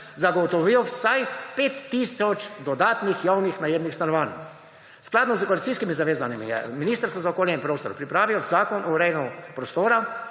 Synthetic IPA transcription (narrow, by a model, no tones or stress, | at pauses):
zaɡɔt̪ɔʋiwwsajpeːt̪ːisɔt͡ʃd̪ɔd̪aːt̪nixjawnixnajeːbnixst̪anɔʋaːn | sklaːd̪nɔzkoalit̪t͡ssiskimizaʋeːzanimḭjɛ̰miniːst̪əɾst̪ʋɔzaɔkoːljɛĩmpɾoːst̪ɔ̰ɾpɾipɾaːʋilzaːkɔnʔɔɾɛjnupɾɔst̪oːɾa